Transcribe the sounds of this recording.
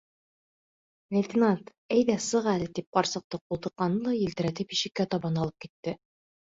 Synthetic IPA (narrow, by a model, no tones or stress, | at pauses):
lʲɪ̆t̪ʲɪnat̪ | æjðæsɤʁælɘt̪ip̚qɒɾsɤ̆q̚t̪ɤqulˠt̪ɤ̆qːɑnɤlˠɑjɘ̆lt̪ɘ̆ɾæt̪ɘpiʃɘ̆kːæt̪ɒbɑnɑlˠɤp̚kit̪ːɘ